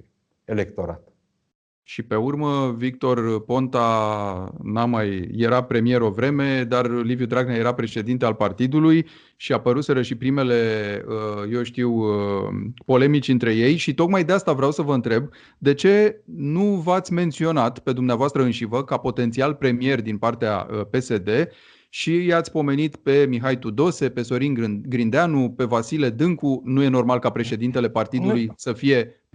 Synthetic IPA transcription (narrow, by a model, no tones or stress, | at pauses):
elekt̪o̞ɾa̰t̪ | ʃipe̞urməvik̚t̪o̞rpo̞nt̪a | namajːe̞ɾapɾe̞mije̞ɾo̞vɾe̞me̞d̪arlivjud̪ɾaɡnaje̞ɾapɾe̞ʃe̞d̪int̪ealpart̪id̪uluj | ʃiapəɾuse̞ɾəʃipɾime̞le̞əje̞wʃt̪iw | po̞le̞mit͡ʃʲɨnt̪ɾe̞je̞jʃit̪o̞kmajd̪east̪avɾeawsəvəɨnt̪ɾe̞b | d̪e̞t͡ʃe̞nuvat̪sʲme̞nt̪sio̞nat̪pe̞d̪umneavoast̪ɾəɨnʃivəkapo̞t̪e̞nt̪sialpɾe̞mije̞rd̪inpart̪ea̰əpe̞se̞d̪e̞ | ʃijat̪sʲpo̞me̞nit̪pe̞miɦajt̪ud̪o̞se̞pe̞so̞ɾinɡɾind̪eanupe̞vasile̞d̪ɨŋkunuje̞no̞rmalkapɾe̞ʃe̞d̪int̪e̞le̞part̪id̪ulujsəfije̞